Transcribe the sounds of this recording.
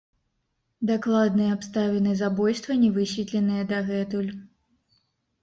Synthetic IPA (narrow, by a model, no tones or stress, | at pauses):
d̪aklˠad̪nɨjɛapst̪avʲɛnɨzabɔjst̪vɐnʲɛvɨsʲvʲit̪lʲɛnɨjɛd̪ɐɣɛt̪ulʲ